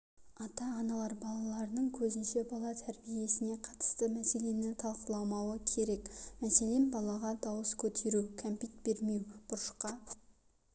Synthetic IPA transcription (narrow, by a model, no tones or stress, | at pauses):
ɑt̪ɑːnɑlˠɑɾbɑlˠɑlˠɑɾənəɴkʲʰɵzɪnʃe̞bɑlˠɑt̪ʰæɾbije̞sɪne̞qʰɑt̪ə̥st̪əmæse̞le̞nɪt̪ʰɑlˠqəlˠɑwmɑwəkʲʰe̞ɾe̞kmæse̞lenbɑlˠɑʁɑd̪ɑwəskʲʰɵt̪ʰe̞ɾukʲʰæmpijt̪̚be̞ɾme̞wb̥ʊɾʃqɑ